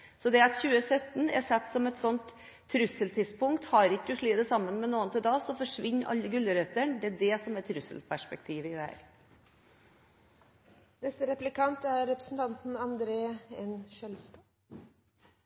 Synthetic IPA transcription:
sɔd̪ɛɾɑt̪çʉːəsœt̪ːn̩ɛ̰ɾsɛt̪ːsɔmɛt̪sɔnt̪ʰː | ɾʉsəlt̪ʰɪspʊŋkt̪hɑɾɪkːəʊʂɭiːd̪əsɑmːənmɛnoːənt̪ɪld̪ɑːsɔfɔʂʋɪɲːʔɑ̰lːəɡʉlːəɾœt̪ːəɳd̪ɛæɖɛsɔmɛt̪ʰːɾʉsə̰lpʰæʂpɛk̚t̪ʰiːʋəɪd̪ɛhæ̰ːɾ | nɛst̪əɾɛplɪkʰɑnt̪æɾːɛpɾə̥sn̩t̪ʰɑnt̪n̩ɑnd̪ɾeːɛnʃœlst̪

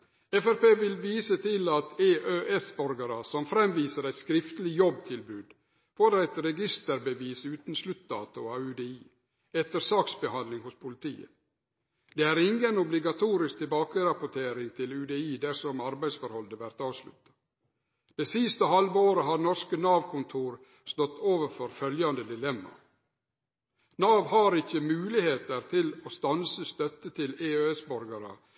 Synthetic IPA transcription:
ɛfæɾpeːʋɪlʋiːsət̪ʰɪlɑt̪ʰeːʔøːʔɛsbɔɾɡəɾəsɔmfɾɛmʋiːsəɾæɪt̪skɾɪft̪əlɪjɔb̚t̪ʰɪlbʉːd̪ | foːɾæɪt̪ɾɛɡɪst̪əɾbəʋiːsʉːt̪n̩slʉt̪̚d̪ɑ̰ːt̪ʊɑʉːd̪eːiː | ɛt̪əɾsɑːksbəhɑnd̪lɪŋhʊspʰʊlɪt̪ʰḭːə̰ | d̪̥eːæːɾɪŋɡənɔblɪɡɑt̪ʰuːɾɪsk̚t̪ʰɪlbɑːkəɾɑpʊʈʰeːɾɪŋt̪ʰɪlʉːd̪eiːd̪æsɔmɑɾbæɪsfɔɾhɔld̪əʋæɾt̪ɑːʋslʉ̰t̪ːɑ̥ | d̪̥ɛːsɪst̪əhɑlʋoːɾəɦɑɾnɔʂkənɑːʋkʰʊnt̪ʰuːɾ | st̪ɔt̪ːoːʋəɾfɔɾfœljɑnd̪əd̪ɪlɛmːɑ̰ | nɑːʋhɑɾɪçəmʉːlɪheːt̪əɾt̪ʰɪloːst̪ɑnsəst̪œt̪ːət̪ʰɪleːøːɛsbɔɾɡɑɾə̰

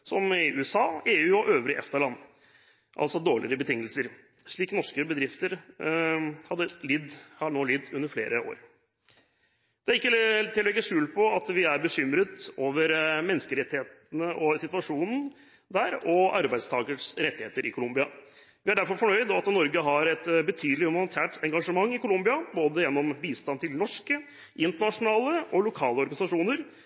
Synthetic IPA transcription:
sɔmɪʔʉːɛsɑːeːʉːɔʔøːʋɾɪʔɛ̰ft̪əɭɑnː | ʔɑ̰lsɔd̪oːɭɪɾəbət̪ʰɪŋːəlsəɾ | ʂɭiːknɔʂkəbəd̪ɾɪft̪əɾ | hɑd̪ːəlɪd̪hɑnoːlɪd̪ːʉnːəɾfleːɾəo̰ːɾ | d̪̥ɛæɾɪkːət̪ʰɪlːɛɛɡəʂʉːlpʰɔɑt̪ʋɪæɾbəʂʏmɾət̪oːʋəɾmɛnːəskəɾɛt̪ːɪheːt̪nəʔɔsɪt̪ʋɑʂuːnn̩ | d̪æːɾɔɑɾbæɪst̪ʰɑːɡəʂɾɛt̪ːɪeːt̪əɾɪkʰʊlʊmbɪɑ | ʋɪæɖæɾfɔɾfɔɳœʏd̪ɔɑt̪nɔɾɡəɦɑɾɛt̪bət̪ʰyːd̪əlɪʉmɑnnt̪ʰæːʈʰɛŋɡɑʂəmɑŋːɪkʊlʊmbɪɑboːd̪əjɛnːɔmʋiːst̪ɑnt̪ʰɪlnɔʂkə | ʔɪnt̪əɳɑʂʊnɑːləʔɔlʊkʰɑːləɔɾɡɑnɪsɑʂuːnəɾ

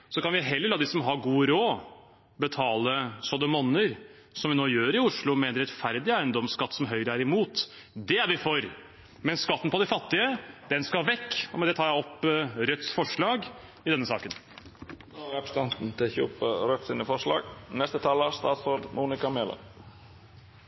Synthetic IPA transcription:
sɔkɑnʋɪɦɛlːəɾɭɑːd̪ɪsɔmɦɑɾɡuːɾoː | bət̪ʰɑːləsɔd̪əmɔnəɾ | sɔmʋɪnoːjøːɾɪʊʂɭʊmɛɛnɾɛt̪fæɾd̪ɪæɪənd̪ɔmskɑt̪ːsɔmɦœʏɾəæɾɪmuːt̪ | d̪ɛæɾʋɪfɔɾ | mɛnskɑt̪ːn̩pɔd̪ɪfɑt̪ːɪəd̪̥ɛnskɑʋɛkːmɛnd̪ɛt̪ʰɑːɾjæɪɔpːɾœt̪sfɔʂɭɑːɡ | ɪd̪ɛnːəsɑ̰ːkən | noʋɛpst̪ɑnt̪n̩t̪ʰɪçuːpəɾœt̪sɪnəfɔʂɭɑ̰ːɡnɛst̪ət̪ʰɑːləst̪ɑ̰ːt̪sɾoːd̪muːnɪkɑmeːlə̰

